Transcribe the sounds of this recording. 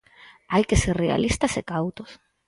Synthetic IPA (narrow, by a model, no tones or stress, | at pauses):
ajke̞serrea̰lʔist̪asekawt̪os